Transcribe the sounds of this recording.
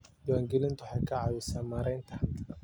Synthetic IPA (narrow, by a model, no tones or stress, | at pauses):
dɔwaŋɡɪlɪnt̪ʊħɑjkʰɐʕawɪsamaɾɛjnt̪ʰɐ̥